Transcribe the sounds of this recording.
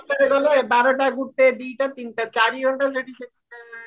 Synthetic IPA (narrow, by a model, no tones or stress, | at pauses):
eɾeɡɔlebaɾoʈaɡuɾt̪ed̪ijʈat̪inʈat͡ɕaɾioɳʈaleɖiʃe | e